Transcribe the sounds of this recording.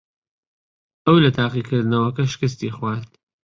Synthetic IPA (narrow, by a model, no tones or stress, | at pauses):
ɐwlɐt̪ʰaːqiːkʰɨɾd̪nɐwɐkɐʃɪ̥kɨs̬t̪iːxwaːt̪